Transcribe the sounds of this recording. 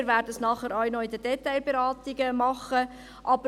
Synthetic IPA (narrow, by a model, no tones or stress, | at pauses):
ɾʋæːrdəsnɑχəɾɑɥnɔɪd̪əd̥ɛt̪ːaɪlbeɾɑːt̪ɪɡəmɑχːə | ʔɑbə